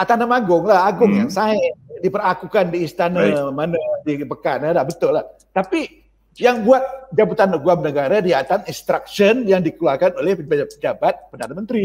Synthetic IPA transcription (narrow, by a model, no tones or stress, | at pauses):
at̪anəmaɡʊŋlahaɡʊŋjaŋsaɦɪdipərakukandiːst̪anamanədibəkanalabət̪ʊlːah | t̪api | jaŋbuat̪̚d͡ʒabut̪anəɡuamnəɡaɾadiat̪aŋinst̪ɾak̚sənjaŋdikəluarkanolɛhppəd͡ʒabat̪̚pədanamənt̪ɾi